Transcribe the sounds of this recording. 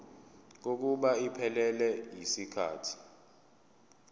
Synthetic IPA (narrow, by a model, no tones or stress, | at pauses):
k̬ok̬uɓaipʰɛlɛlɛjisikʰa̰ːtʰi̥